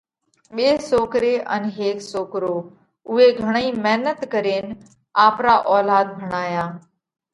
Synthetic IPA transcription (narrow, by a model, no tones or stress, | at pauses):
ɓeːsoːkɾeːʔə̰nɦeːksoːkɾoː | ʊɦeɡʱəɽ̃əiːmɛɦnət̪kəɾeːnɪ | aːpɾaːʔɔːlaːd̪̚bʱəɽ̃aːjaː